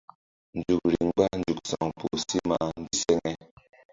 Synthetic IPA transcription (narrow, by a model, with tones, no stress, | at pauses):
n̩˨d͡ʒu˨k̚ɾi˨ŋ˦ɡ͡ba˦n̩˨d͡ʒu˨k̚sa˨ŋpu˨si˦ma˨ʔa˦n˦di˦sɛ˦ŋɛ˦